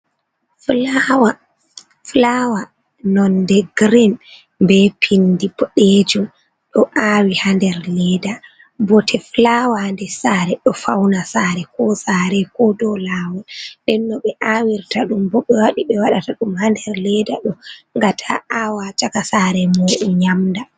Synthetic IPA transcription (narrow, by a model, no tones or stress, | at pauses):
flawa | flawa | nɔndɛɡɾɛm | bɛpʰindibɔɗɛd͡ʒɔ | ɗɔʔawihandɛɾlɛda | bɔtʰɛflawandɛsaːɾɛɗɔfawnasaɾɛkɔsaːɾɛkɔdɔlaːwɛɗɛnːɔɓɛʔawiɾtaɗumbɔɓːɛwaɗiɓɛwaɗataɗumhandɛɾlɛdaɗɔŋɡatʰa̰ʔawat͡ʃakasaːɾɛmɔɗuɲamda